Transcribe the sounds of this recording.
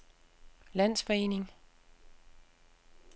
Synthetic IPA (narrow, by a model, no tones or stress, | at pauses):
læn̰sfɒ̽e̝̰ːne̝ŋ